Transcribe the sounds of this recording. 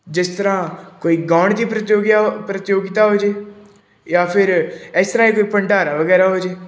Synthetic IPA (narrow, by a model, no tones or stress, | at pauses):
d͡ʒɪst̪əɾãːkoːiːɡaːɳd̪iːpɾət̪joːɡjapɾət̪joːɡit̪aːɦoːd͡ʒeː | jaːpʰɪɾɪst̪əɾãːeːkoːiːpəɳɖaːɾaːʋəɡɛːɾaːɦoːd͡ʒeː